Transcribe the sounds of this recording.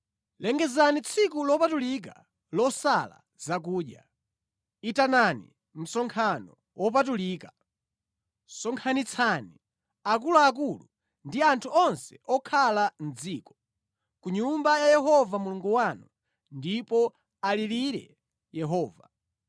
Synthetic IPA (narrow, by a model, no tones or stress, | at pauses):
lɛŋɡɛzanit͡sʰikulɔpatulik̬a̰ | lɔsala̰ | zak̬uːɗja̰ | itananḭ | m̩sɔŋkʰanɔ̰ | wʔɔp̬atuliːka | sɔŋkʰanit͡sʰani | akulaːk̬ulu | ndiantʰuɔnsɛ̥ʔɔkʰalan̩d͡ziːkɔ̥ | kuɲumbajajɛɦɔvamuluŋɡuwanu | ndipɔ | aliliɾɛ̰ | jɛɦɔːva̰